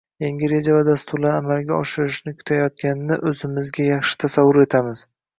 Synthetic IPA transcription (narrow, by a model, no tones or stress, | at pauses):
jaŋɡʲɪɾe̞d͡ʒavad̪ast̪ʰʊɾlaɾamalɡʲaɒʃɪɾɪʃnɪkʰʲʊ̥t̪ʰajɒt̪̚kʲanɪnɪʔɵzɪmɪzɡʲajɑχʃɪ̥t̪ʰasavːʊɾe̞t̪ʰamɪz̥